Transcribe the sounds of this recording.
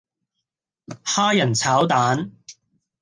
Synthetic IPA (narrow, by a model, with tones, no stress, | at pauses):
haː˥jɐ˨˩nt͡sʰaː˨˥wt̪aː˨˥n